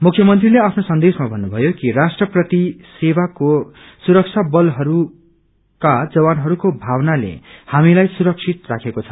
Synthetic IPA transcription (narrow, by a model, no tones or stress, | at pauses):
mukʰjʌmʌnt̪rileapʰnosʌnd̪esmabʱʌnːubʱʌjokirasʈrʌprʌt̪isewako | suɾʌk̚t͡sʰabʌlɦʌɾu | kad͡zʌwanɦʌɾukobʱawnalḛhamilajsuɾʌk̚sʰit̪rakʰekot͡sʰʌ